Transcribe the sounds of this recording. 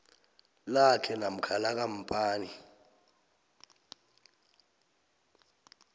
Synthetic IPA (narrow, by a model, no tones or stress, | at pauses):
lakʰɛnam̩kʰalak̬ʼam̩pʼaːni